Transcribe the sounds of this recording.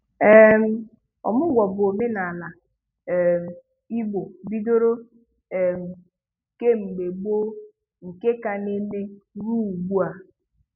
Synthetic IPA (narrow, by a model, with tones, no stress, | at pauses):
e˦m̩˦ | ɔ̰˨mʊ˦ɡʷɔ˨bʊ˨o˨me˦na˨na˨ | m̩˨ | i˦ɡ͡bo˨bi˦do˦ɾo˦ | e˨m̩˨ | ke˦ŋ͡m̩˨ɡ͡be˨ɡ͡bo˦ | ŋ̩˨ke˦ka˨ne˦me˦ɾu˦u˨ɡ͡bu˦a˨